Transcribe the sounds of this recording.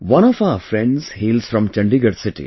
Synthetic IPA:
ʋʌ̃ñɔfaəɾfɾɛ̃ɳɖz̥hiːlzfɾɔ̃mt͡ʃɐ̃ɳɖiɡəɾsɪʈḭ

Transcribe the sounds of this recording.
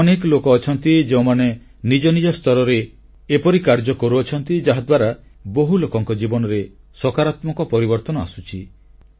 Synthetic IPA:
ɔnekɔlokɔːt͡ʃʰɔnt̪id͡ʒeũmane | nid͡ʒɔnid͡ʒɔst̪ɔɾɔɾe | epɔɾikaɾd͡ʒɔkɔɾuɔt͡ʃʰɔnt̪id͡ʒaɦad̪waɾa | boɦulokɔŋkɔd͡ʒibɔnɔɾe | sɔkaɾat̪mɔkɔpɔɾibɔɾt̪ɔnɔasut͡ʃʰi

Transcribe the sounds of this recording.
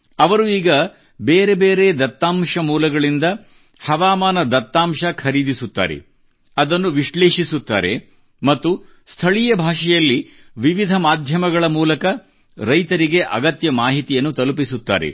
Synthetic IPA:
ɐʋɐɾuiːɡɐ | beːɾe̞beːɾed̪ɐt̪ːaːmʂɐmuːlɐɡɐɭind̪ɐ | hɐʋaːmaːnɐd̪ɐt̪ːaːmʃɐkʰɐɾid̪isut̪ːa̰ːɾe̞̰ | ɐd̪ɐnːuʋiʂɭe̞ːʂisut̪ːa̰ːɾe̞̰ | mɐt̪ːust̪ʰɐɭijɐbʱaːʂɛjɐlːiʋiʋid̪ʱɐmaːd̪ʱjɐmɐɡɐɭɐmuːlɐkɐ | ɾɐjt̪ɐɾiɡe̞ʔɐɡɐt̪jɐmaːɦit̪ijɐnːut̪ɐlupisut̪ːa̰ːɾḛ

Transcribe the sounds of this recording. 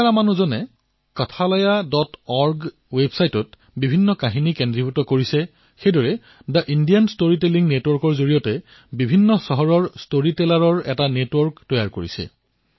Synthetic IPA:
aɹamanuzɔnɛ | katʰalɔjadɔtɔɹɡ | websajtɔt | bibʱinːɔkaɦinikendɹiputɔkoɹisɛ | xejdɔɹɛ | daʔindijanstoɹiteliŋnetwɔɹkɔɹzoɹijɔtɛ | bibʱinːɔsɔɦɔɹɔɹstoɹitɛlaɹɔɹɛtanetwɔɹktɔjaɹkoɹisɛ̰

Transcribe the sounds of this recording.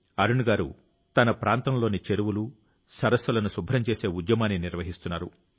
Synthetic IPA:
ɐɾunuɡaːɾṵ | t̪ɐnɐpɾaːnt̪ɐmlo̞ːnit͡ʃeɾuʋulu | sɐɾɐsɐlɐnusubʱɾɐmt͡ʃe̞ːse̞ːud̪jɐmaːniniɾʋɐɦist̪unːaːɾṵ

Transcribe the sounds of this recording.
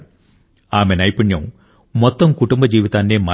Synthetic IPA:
aːmenɐjpunjɐm | mot̪ːɐmkuʈumbɐd͡ʑiːʋid̪aːndemɐ

